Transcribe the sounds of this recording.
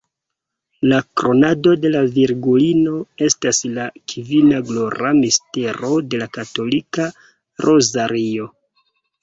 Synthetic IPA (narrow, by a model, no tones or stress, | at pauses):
lakɾo̞nado̞de̞laviɾɡulino̞e̞staslakʰivinaɡlo̞ɾamiste̞ɾo̞de̞lakato̞lika | ɾʔo̞zaɾio̞